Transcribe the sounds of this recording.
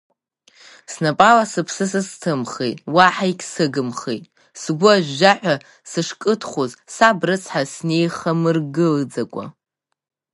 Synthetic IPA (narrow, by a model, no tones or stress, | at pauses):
snapʼalasɨpʰsɨsɨstʰɨmχejtʼwaħajkʲʰʼsɨɡɨmχejtʼ | sɡʷʊaʒʷᶣːaħʷᶣa | sɨʂkʼɨtʰχozsabrɨt͡sʰħasne̞jχamɨrɡɨld͡zakʷʼa̰